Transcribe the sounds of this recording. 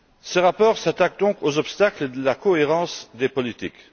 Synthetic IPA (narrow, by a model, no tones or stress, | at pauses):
səʁapɔːʁsat̪ak̚d̪ɔ̃kozɔpst̪akləd̪əlakɔeʁɑ̃sd̪epɔlit̪ḭk